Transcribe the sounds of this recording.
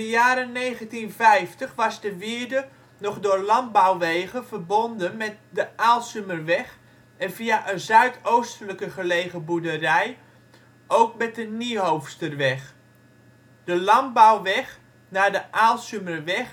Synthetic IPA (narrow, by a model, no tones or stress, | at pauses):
əjaːɾəneːɣəntinvɛjftəχʋɑzdəʋɪədə | nɔχdʊːɹlɑn̚bawʋeːɣəvərbondənmɛt̚dəaːlˠsømərʋɛχ | ɛnviaʔəzœɥtʰowstələkəχəlejɣəbudərɛj | ʔowk̚mɛt̚dəniɦowfstərʋɛx | d̥əlɑnbawʋɛx | naːdəʔaːlˠsømərʋɛx